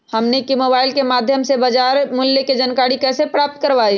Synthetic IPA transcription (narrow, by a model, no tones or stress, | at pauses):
həmnekimobaːɪlkemaːd̪ʱjəmsebəd͡ʒaɾmʊljeked͡ʒənkaɽikɛːsepɾaːp̚t̪̚kəɾʋai